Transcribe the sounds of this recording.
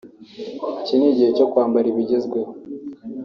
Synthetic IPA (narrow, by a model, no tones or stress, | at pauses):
ciniɟihecokwaːmbaɾiβiɟezɡwe